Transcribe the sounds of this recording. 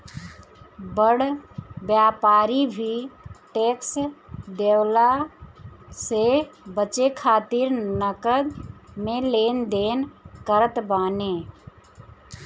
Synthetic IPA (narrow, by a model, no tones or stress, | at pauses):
bəɽbjaːpaːɾibʱiʈeːksd̪eːwla | sebət͡ʃekʰaːt̪ɪɾnəkəd̪mẽleːnd̪eːnkəɾət̪baːneː